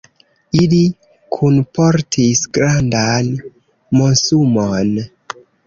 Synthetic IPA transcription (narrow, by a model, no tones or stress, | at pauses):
ili | kʰunpoɾtʰisɡɾandan | mosumon